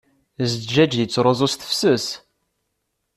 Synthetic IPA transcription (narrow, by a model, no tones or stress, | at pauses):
zd͡ʒæd͡ʒjət͡sːɾˤozˤosθə̥fsəs